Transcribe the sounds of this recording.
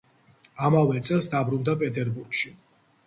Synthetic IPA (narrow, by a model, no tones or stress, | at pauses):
amavɛt̪sʼɛlˠsd̪abɾund̪apʼɛt̪ʼɛɾbuɾɡʃi